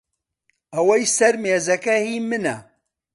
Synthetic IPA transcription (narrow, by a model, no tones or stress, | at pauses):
ɐwɐjsɐɾmeːzɐkɐhimɨnɐ̰